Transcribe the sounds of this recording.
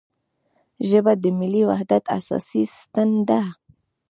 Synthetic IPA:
ʒəbad̪əmiliwa̰hd̪at̪ʰa̰sa̰sist̪ənd̪a

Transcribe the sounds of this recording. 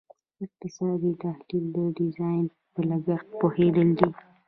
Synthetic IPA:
ɪq̚t̪ɪsɑd̪it̪ahlild̪əɖɪzɑjn | pəlaɡaxt̪̚pohed̪əld̪i

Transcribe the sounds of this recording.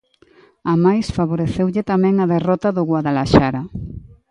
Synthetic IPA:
amajsfaβ̞oɾeθewʎɪt̪amɛ̃ŋaðerɔt̪aðʊɣwaðalaʃaɾa

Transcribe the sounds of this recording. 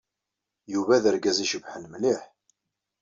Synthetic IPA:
juvæðəɾɡæziʃəvħənmliħ

